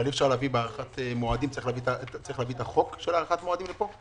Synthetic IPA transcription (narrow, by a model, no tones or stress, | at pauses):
alifʃaʁlavibeaʁaχat̪emoad̪imtt͡saʁixlavitat͡saʁiχlavit̪aχo̞kʃelaʁaχat̪moad̪imlepo̞